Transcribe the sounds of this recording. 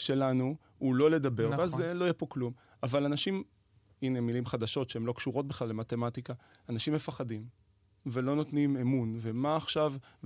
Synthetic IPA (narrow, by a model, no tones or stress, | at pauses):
ʃe̞lanu | ulo̞le̞dabe̞ʁveazelojepo̞klum | avalanaʃim | inemilimχadaʃo̞tʃeemlo̞kʃuʁo̞t̚biχlalːe̞mate̞matika | anaʃimːe̞faχadim | velo̞no̞tnimemunve̞maːχʃav